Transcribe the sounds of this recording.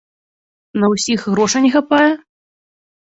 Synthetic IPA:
nɐwsʲixɣɾɔʂɐnʲɛxapajɛ

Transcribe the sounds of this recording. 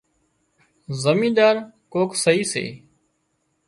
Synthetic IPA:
zəmĩːd̪aːɾkoːksəɦiːsḛː

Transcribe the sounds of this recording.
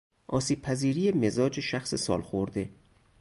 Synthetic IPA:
ʔɒːsiːb̥̚pʰæziːɾijemezɒːd͡ʒeʃæxsesɒ̰ːlxoɾd̪e̞

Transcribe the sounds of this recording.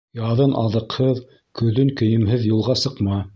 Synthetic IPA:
jɑðɤnʔɑðɤ̆qhɤð | kɵ̆ðɵŋkɵ̆jɘ̆mɦɘðjulˠʁɑsɤ̆qmɑ

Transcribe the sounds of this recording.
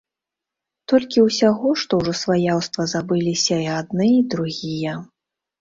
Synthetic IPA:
t̪ɔlʲkʲiwsʲaɣɔʂt̪ɔwʐɔsvajawst̪vɐzabɨlʲisʲɐiad̪̚nɨid̪ɾuɣʲijɐ

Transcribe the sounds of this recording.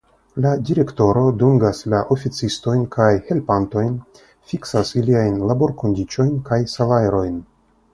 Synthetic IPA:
ladiɾe̞kto̞ɾo̞duŋɡaslaʔo̞fit͡sisto̞jnkʰajhe̞lpanto̞jn | fiksasiliajnlabo̞ɾko̞ndit͡ʃo̞jnkajsalaɾo̞jn

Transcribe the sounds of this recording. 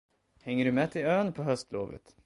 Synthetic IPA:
hɛŋːəɖɵmɛːt̪ʰɪløːnpʰɔɦœst̪loːvə̰t̪

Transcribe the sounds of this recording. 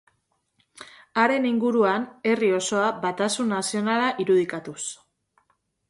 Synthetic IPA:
aɾe̞niŋɡuɾuane̞rio̞so̞abat̪asunːasio̞nalaʔiɾuð̞ikat̪us

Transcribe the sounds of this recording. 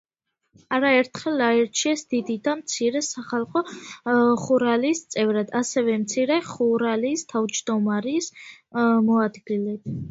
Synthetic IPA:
aɾaɛɾt̪ʰχɛlaɛɾt͡ʃʰiɛsd̪̥id̪id̪amt̪sʰiɾɛsaχalˠχɔ | χuɾaliːst̪sʼɛvɾad̪asɛvɛmt̪sʰiɾɛχuɾaliːst̪ʰavd͡ʒd̪ɔmaɾis | mɔad̪ɡilɛt̪

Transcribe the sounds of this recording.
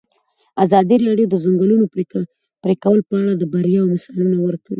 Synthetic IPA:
azɑd̪iɾɑɽjod̪əzʊŋɡəluno | pɾekawəlpəaɽad̪əbaɾjɑawmɪsɑlunawəɾkəɽi

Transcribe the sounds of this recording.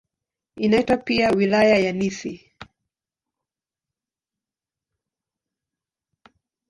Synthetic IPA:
inaitwapiawilajajanisi

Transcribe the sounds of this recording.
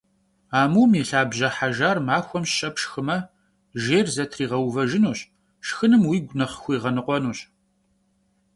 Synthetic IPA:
aːmumiɬaːbʑɐħaʒaːrmaːxʷɔmɕɕɐpʰʂxɨmɐ | ʒeːrzɐtʰriːʁɐwvɐʒɪnuːɕ | ʃxɨnɨmwiːɡʷnɐχxʷiːʁɐnɨqʷɔnuːɕ

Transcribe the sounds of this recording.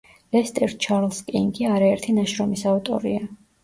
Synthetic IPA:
lɛst̪ʼɛɾd̪̥̚t͡ʃʰaɾlskʼiŋɡiaɾaɛɾt̪ʰinaʃɾɔmisavt̪ʼɔ̰ɾḭa

